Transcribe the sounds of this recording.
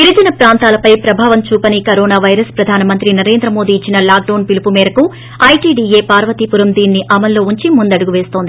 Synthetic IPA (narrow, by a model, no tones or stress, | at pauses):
t̪iɾud͡ʒɐnɐpɾaːnt̪aːlɐpɐjpɾɐbʱaːʋɐmt͡ʃuːpɐnikɐɾoːnaːʋɐjɾɐspɾɐd̪ʱaːnɐmɐnt̪ɾinɐɾe̞ːnd̪ɾɐmo̞ːd̪iːt͡ʃːinɐlaːk̚ɖɐwːnpilipumɛːɾɐku | ɐjʈiːɖiːeːpaːɾʋɐt̪ipuɾɐmd̪iːnːiʔɐmɐlːo̞ːuɲt͡ʃimund̪ɐɽuɡuʋe̞ːst̪o̞ːnd̪i